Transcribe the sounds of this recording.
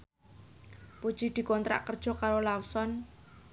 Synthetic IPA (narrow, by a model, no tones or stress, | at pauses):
pud̥ʒ̥id̪̥i̤kɔnt̪ɾa̰ʔkərd̥ʒ̥ɔ̤kaɾolawsɔn